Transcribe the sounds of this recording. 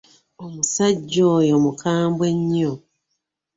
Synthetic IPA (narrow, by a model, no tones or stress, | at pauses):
omusaɟːoːjo̞mukʰaːmbwe̞ɲːo